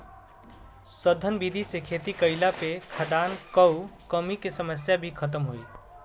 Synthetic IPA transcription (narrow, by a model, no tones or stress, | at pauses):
səd̪ʱənbid̪ʱisekʰet̪ikəɪlapekʰəd̪ankəwkəmikesəməs̬jabʱikʰət̪̬əmɦoi